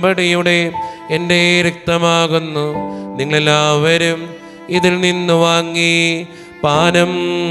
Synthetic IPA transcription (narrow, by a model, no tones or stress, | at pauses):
bɐɽɐjuɽe̞ende̞ɾek̚t̪ɐmaːɣunːuniŋːɐɭelːaːʋɐɾum | iðilninːuʋaːŋːi | paːnɐm